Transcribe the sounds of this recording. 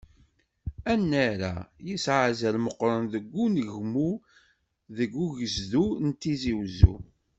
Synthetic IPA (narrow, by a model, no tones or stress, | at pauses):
ænːæɾa̰jisʕazælməqːɾˤɑnðəɡʷːunəʝmu | ðəɡːuʝəzðunt̪ːiziwzṵ